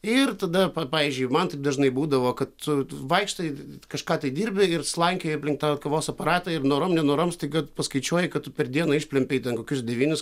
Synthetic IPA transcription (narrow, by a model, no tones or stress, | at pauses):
ɪrt̪ɐd̪ɐppɑːʋʲiːzʲd͡ʒʲʊɪmɐnt̪ɐɪp̚d̪ɐʒnɐɪbuːd̪ɐʋoːkɐt̪tʊʋɐɪkʃt̪ɐkɐʃkɑːt̪ɐɪd̪ʲiːɾʲbʲɪɪrslˠɐŋʲkʲoːjɐpʲlʲɪŋk̚t̪ɑːkɐʋoːsɐpɐɾɑːt̪ɐɪrnoːɾoːmnʲɛnoːɾoːmst̪ɐɪkɐpɐskɐɪt͡ʃʲuɔjɪkɐt̚t̪ʊpʲɛrd̪ʲiɛnɐːɪʃʲpʲlʲɛmʲpʲeɪt̪ʲɛnkoːkʲʊsd̪ʲɛʋʲiːnʲʊs